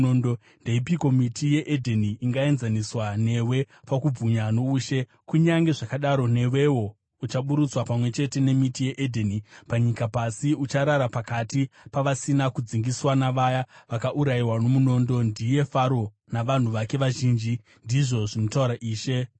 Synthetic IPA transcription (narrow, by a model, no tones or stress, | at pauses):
ondo | nde̞ipiko̞mitije̞ʔedʱeniːŋɡae̞nzaniswane̞we̞ | pakub͡vuɲanouːʃe̞ | kuɲaŋɡe̞ʐakaɗaɾo̞ne̞we̞wo̞ | ut͡ʃaɓuɾut͡swapamwe̞t͡ʃe̞te̞ne̞mitije̞ʔedʱenipaɲikapasiut͡ʃaɾaɾapakatipaʋasinakud͡ziŋɡiswanaʋajaʋakaʔuɾaiwano̞muno̞ːndo̞ndije̞faɾo̞ | naʋan̤uʋake̞ʋaʒiːnd͡ʒi | ndiʐo̞ʐinotauɾaʔiːʃe̞